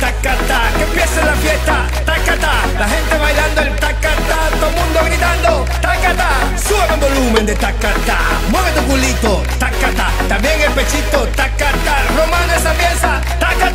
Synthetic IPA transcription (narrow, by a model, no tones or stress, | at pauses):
t̪akat̪akepjɛseafjɛt̪a | t̪akat̪a | laɦent̪eβajðand̪oẽnt̪akat̪at̪omũnd̪oɣaniðand̪o | t̪akat̪a | suamẽmbolumẽnd̪et̪akat̪a̰ | moɣed̪oɣulit̪o | t̪akat̪a | t̪ambjɛŋepet͡ʃit̪ot̪akat̪a | romãnesapjesa | t̪aka